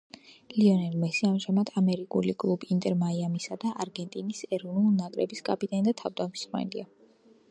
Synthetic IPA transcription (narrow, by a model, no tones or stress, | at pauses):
liɔnɛɾmɛsiamʒamat̪ʰamɛɾikʼṵlikʼlˠubiːnt̪ʼɛɾmaiamisad̪aʔaɾɡɛnt̪ʼinisɛɾɔvnulˠnakʼɾɛ̰biskʼapʼit̪ʼanid̪at̪ʰavd̪amsχwɛ̰lḭa